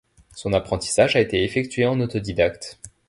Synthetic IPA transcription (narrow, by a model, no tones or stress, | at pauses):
sɔ̃napχɑ̃t̪i̥saʒaet̪eefɛk̚t̪ɥeɑ̃not̪ɔd̪id̪akt̪